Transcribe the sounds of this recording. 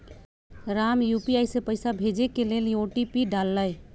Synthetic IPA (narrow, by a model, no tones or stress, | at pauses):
ɾamjupiajsepəɪsabʱed͡ʒekeleljoʈipiɖalːəj